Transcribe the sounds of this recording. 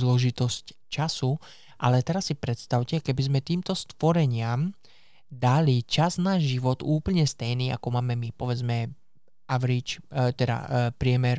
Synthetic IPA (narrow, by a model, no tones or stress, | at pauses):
zlɔʒit̪ɔsc | t͡ʃasu | ʔalɛt̪ɛɾasːipɾɛt̪st̪aʊcɛkɛbizmɛt̪iːmt̪ɔst̪ʋɔɾɛɲɪam | d̪alit͡ʃaznaːʒiʋɔd̪uːpl̩ɲɛst̪ɛjniːʔa̰kɔmaːmɛmipɔʋɛd͡zmɛ | ʔaʋɾit͡ʃt̪ɛd̪a̰pɾɪɛmɛɾ